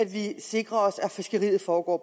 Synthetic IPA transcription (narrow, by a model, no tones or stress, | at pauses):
æd̥ʋise̝ɡ̥ʁɐɒ̽sæfisɡ̥əʁḭːð̩ˠfɒːɡ̥ɒ̰ːb